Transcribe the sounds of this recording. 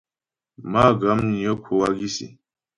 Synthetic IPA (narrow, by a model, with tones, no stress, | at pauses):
maː˦ɡa˦mni˨jo˦kʰu˨waɡi˦sḭ˨